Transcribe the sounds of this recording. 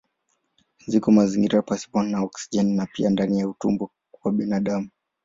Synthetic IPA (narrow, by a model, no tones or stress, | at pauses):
zikɔmaziŋɡiɾapasi̥pɔnnaɔksi̥d͡ʒɛnnapiandanijautṵmbɔ | waɓinaɗamu